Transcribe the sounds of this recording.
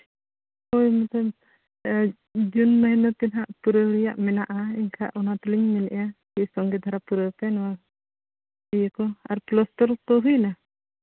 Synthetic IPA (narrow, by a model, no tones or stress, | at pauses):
ɔjmɛt̪ɔm | d͡ʒunmaɦɛnɔt̪ɛnɦaʔpuɾəɾijaʔmɛnaʔaiŋkʰa̰ʔɔnat̪ɔliŋmɛnɛ̰ʔjakisɔŋɡɛd̪ʱaɾapuɾəp̪ɛnwa | ijəkɔa̰ɾplɔst̪ɔɾt̪ɔɦujna